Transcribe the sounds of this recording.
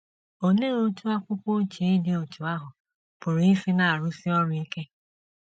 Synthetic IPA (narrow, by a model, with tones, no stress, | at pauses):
o˨ne˦ɾo˦tu˦a˦kʷʊ˦kʷo˦t͡ʃi˨˦dɪ˦o˨tu˨a˦ɦʊ˨ | pʊ˨ɾi˦fi˦na˨a˨ɾʊ˦si˦ɔ˦ɾʊ˦i˦ke˦